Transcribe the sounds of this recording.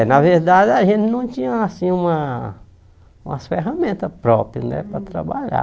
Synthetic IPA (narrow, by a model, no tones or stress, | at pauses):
nɐveɾd̪ad̪ɪaʒẽnt̪ɪnɐ̃w̃t̪ĩɲɐasĩũmɐ | ũmɐsfeɦamẽnt̪ɐpɾɔpɾjɐnɛ̰pɾɐt̪ɾa̰baʎa̰